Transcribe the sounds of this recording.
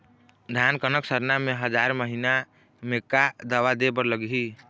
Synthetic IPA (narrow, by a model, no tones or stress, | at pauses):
d̪ʱankənəksəɾnameɦəd͡ʒaɾməɦina | mekad̪əʋad̪ebəɾləɡɦi